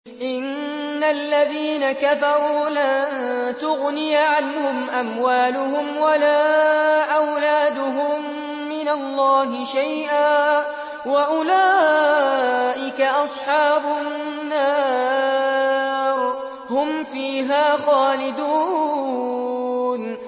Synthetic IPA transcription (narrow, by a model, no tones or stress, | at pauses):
ʔɪnː | alːaðiːnakafɑɾˤuːlam | t̪ʊɣnɪjʕanhʊmʔamwaːlʊhʊmwalaːʔawlaːd̪ʊɦʊmː | ɪnalːɑːɦɪʃajʔaː | waʔʊlaː | ʔɪkaʔɑsˤħɑːbʊnːaː | hʊmfiːɦaːxɑːlɪd̪uː | n